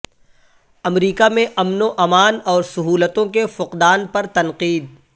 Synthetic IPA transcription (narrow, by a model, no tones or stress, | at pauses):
ɐmɾiːkamẽʔɐmnoʔɐmaːnɔːɾsʊɦuːlət̪õkefʊqd̪aːnpɐɾt̪ɐnqiːd̪̚